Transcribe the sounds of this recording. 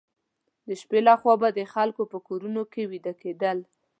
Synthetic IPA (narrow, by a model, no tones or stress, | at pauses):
d̪əʃpelɑxwɑbad̪əxalkopəkoɾunokewid̪aked̪əl